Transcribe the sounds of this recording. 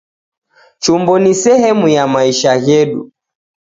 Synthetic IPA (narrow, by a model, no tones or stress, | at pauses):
t͡ʃumbɔnisɛhɛmujamaiʃajɛɗṵ